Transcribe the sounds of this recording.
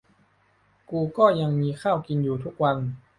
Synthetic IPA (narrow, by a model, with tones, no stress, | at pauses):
kuː˧kɔː˥˩ja˧ŋmiː˧kʰaː˥˩wki˧njuː˨˩t̪ʰu˦˥k̚wa˧n